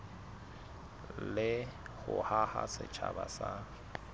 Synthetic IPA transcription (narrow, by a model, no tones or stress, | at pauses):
lɪɣʊhahasɪt͡ʃʰabasa